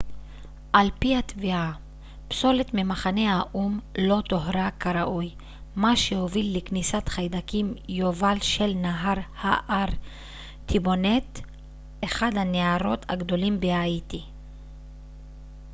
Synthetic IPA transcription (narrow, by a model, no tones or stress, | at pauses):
ʔalpihat̪via | pso̞le̞t̪mimaχanehaʔumlo̞t̪oɦɾakaɾaʔuj | maʃehovilːeknisat̪χajd̪akimjovalʃe̞lnaɦaʁhaʔaʁ | t̪ʰibo̞net | eχad̪haneaɾo̞t̪a̰ɡd̪o̞limbeait̪i